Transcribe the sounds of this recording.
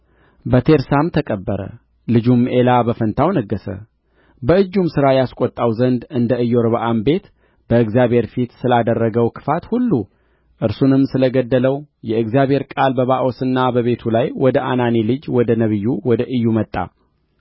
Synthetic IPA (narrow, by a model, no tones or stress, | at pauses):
bət̪ʰe̞ɾsamt̪ʰəkʼəbːəɾə̰ | lɨd͡ʒumʔe̞labəfənt̪ʰawnəɡːəsə̰ | bəɨd͡ʒːumsɨɾajaskʷʼɔt̪ʼːawzənd̪ɨnd̪əɨjːo̞ɾbəʔambe̞t̪ | b̥əɨɡzijabʱhe̞ɾfit̪sɨlad̪ərːəɡəwkʰɨ̥fat̪hulːu | ʔɨɾsunɨmːsɨləɡəd̪ːələwjɛɨɡzijabhe̞ɾkʼalbəβaʔo̞sɨnːabəβe̞t̪ʰulajwɔd̪əʔananelɨd͡ʒwɔd̪ənəβɨjːuwɔd̪əʔɨjːumət̪ʼːa̰